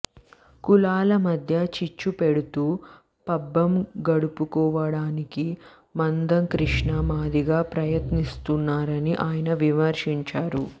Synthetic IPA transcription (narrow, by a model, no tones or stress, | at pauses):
kulaːlɐmɐd̪ʱjɐt͡ʃit͡ʃːupeɽut̪uː | pɐbːɐmɡɐɽupukɔːʋɐɽaːniki | mɐnd̪ɐŋkɾiʂɳɐmaːd̪iɡaːpɾɐjɐt̪nist̪unːaːɾɐniʔaːjɐnɐʋimɐɾʂiɲt͡ʃaːɾu